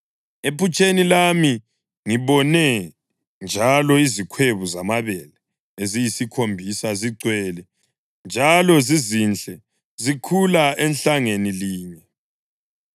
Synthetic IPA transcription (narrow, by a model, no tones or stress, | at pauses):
epʰut͡ʃʼenilami | ŋiβɔnɛ | nd͡ʒʱalɔizikʰweβuzamaβɛlɛ | ezijisikʰombʱisaziǀwɛlɛ | nd͡ʒʱalɔzizint͡ɬɛ | zikʰulaɛnɬaŋeniliːɲɛ